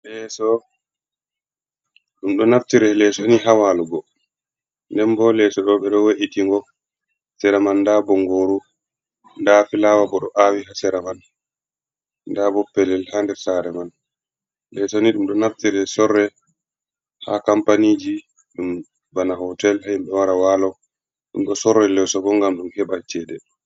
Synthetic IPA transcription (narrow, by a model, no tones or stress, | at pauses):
lɛsɔ | ɗumɗɔnaftiɾɛlɛsɔniɦawaluɡɔ | ndɛmbɔlɛsɔɗɔɓɛɗɔweʔitiŋɡɔ | hasɛɾamanːdabɔŋɡoɾu | ndafilaːwabɔɗɔ̰ʔawiɦasɛɾaman | dabɔpːɛlɛlhaːndɛɾsaɾɛman | lɛsɔniɗumɗɔnaftiɾɛsɔrːɛ | hakampanid͡ʒi | ɗum | banaɦɔtɛlhaimɓɛwaɾawalɔw | ɗumɗɔsɔɾːɛlɛsɔɡɔŋɡamɗumhɛɓat͡ʃɛdɛ